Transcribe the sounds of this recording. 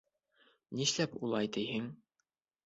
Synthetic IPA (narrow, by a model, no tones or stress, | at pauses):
niʃlæpulˠɑjt̪ɘjɦɘŋ